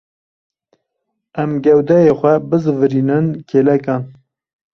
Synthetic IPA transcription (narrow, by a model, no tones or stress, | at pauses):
ɛmɡɛwd̪ɛjeːxʷɛbɨzɨvɨɾiːnɨnkʰeːlɛkɑːn